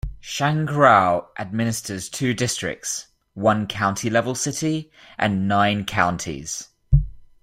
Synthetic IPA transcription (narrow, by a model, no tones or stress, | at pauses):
ʃãŋɡɹaʊʔəd̚mɪnɪstəz̥tʰʉːdɪstɹ̥ɪ̰k̚ts | wʌ̃nkʰãʊ̃ntʰilɛvəlˠsɪtʰi | ʔə̰̃nːãɪ̃nkʰãʊ̃ntʰḭz̥